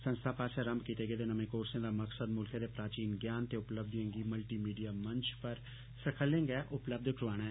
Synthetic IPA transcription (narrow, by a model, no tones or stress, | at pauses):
sə̃nst̪ʰaːpaːʃɛːɾəmbkiːt̪eːɡeːd̪eːnəmẽːkoːɾsẽːd̪aːməksəd̪mʊlkʰẽːd̪eːpɾaːt͡ʃiːnɡjaːnt̪eːʊpləb̚d̪ə̃ŋɡiːməlʈiːmiːɖijaːməɲt͡ʃpəɾ | səkʰəlẽŋɡɛːʔʊpləb̚d̪kʰɾʊʋaːɽ̃aɛː